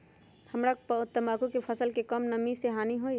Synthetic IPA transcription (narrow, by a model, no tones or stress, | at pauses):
hɐmɾapʊt̪ːəmaːkõkepʰəsəlkekɔmnɐmiseɦaːniɦoːi